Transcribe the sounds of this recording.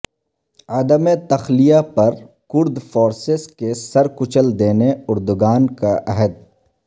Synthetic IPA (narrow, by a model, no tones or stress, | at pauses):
ad̪əmet̪ɐxlijapɐɾ | kʊɾd̪foːɾsɪskesɐɾkʊt͡ʃəld̪eːneʊɾd̪ʊɡaːnkaʔɛɦəd̪̚